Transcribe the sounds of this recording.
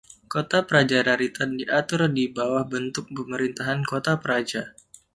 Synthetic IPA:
kot̪apəɾad͡ʒaɾaɾit̪andiʔat̪ʊrdibawahbənt̪ʊk̚pəməɾint̪aɦankot̪apəɾad͡ʒa

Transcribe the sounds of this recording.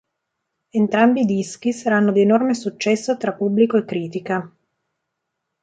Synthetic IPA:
ent̪ɾambiːd̪isk̟isaɾanːod̪ienormesut͡ʃːɛsːot̪ɾapːubːlikoekːɾiːt̪ika

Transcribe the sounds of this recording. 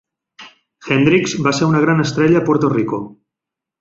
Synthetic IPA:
xɛnd̪ɾikzbaseɾunəɣ̞ɾanəst̪ɾɛʎəːpoɾt̪oriko

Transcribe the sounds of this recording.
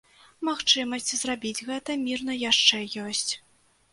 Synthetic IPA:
maxt͡ʂɨmɐsʲt͡sʲzrabʲid͡zʲɣɛt̪ɐmʲirnɐjaʂt͡ʂɛjɔsʲt͡sʲ

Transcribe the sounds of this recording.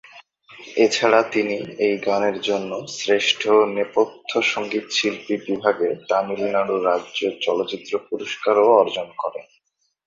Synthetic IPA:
et͡ɕʰaɽat̪iniejɡaneɾd͡ʑonːosɾeʃʈʰonepot̪ʰːoʃoŋɡit̪ʃilpibibʱaɡet̪amilnaɽuɾadʑot͡ɕɔloːt͡ɕit̪ːɾopuɾoʃkaɾoɔɾd͡ʑonkɔɾen

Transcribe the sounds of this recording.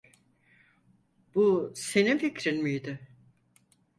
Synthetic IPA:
b̥usenificɾinmijd̪ɪ

